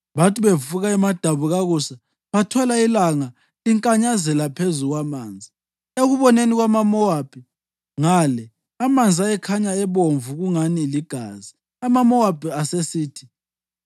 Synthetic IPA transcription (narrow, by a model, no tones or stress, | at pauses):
βatʰʼiβefuɣaɛmad̥ʱaβuɣaɣusa | βatʰɔlailaŋa | liŋkʼaɲazɛlapʰezuɣwamaːnd͡zʱi | eɣuβɔneniɣwamamɔwapʰʼi | ŋalɛ | amand͡zʱiajɛkʰaɲaɛβoɱvuɣuŋaniliɡ̥ʱa̰ːzi | amamɔwapiasesiːtʰi̥